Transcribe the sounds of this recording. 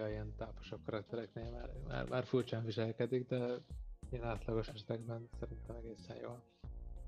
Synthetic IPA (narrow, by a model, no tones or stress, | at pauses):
ɒiɛnt̪aːpo̥ʃokkːɒɾɒk̚t̪ɛɾɛkneːlmaːrma̰ːrmʔa̰ːrfurt͡ʃaːɱviʃɛlkɛd̪iɡd̪ɛijɛnaːt̪lɒɡo̞ʃɛʃɛt̪ɛɡbɛnsɛɾint̪ɛmɛɡeːsɛnjo̰ːl